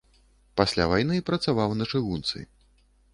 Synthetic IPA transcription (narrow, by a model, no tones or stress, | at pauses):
pasʲlʲavajnɨpɾɐt̪savawnɐt͡ʂɨɣunt̪sɨ̰j